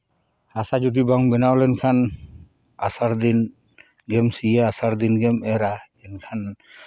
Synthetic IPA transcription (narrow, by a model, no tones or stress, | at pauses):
asad͡ʒud̪ibaŋbɛnawlɛnkʰan | asaɾd̪in | ɡɛmsijaasaɾd̪inɡɛmɛɾa | ɛnkʰan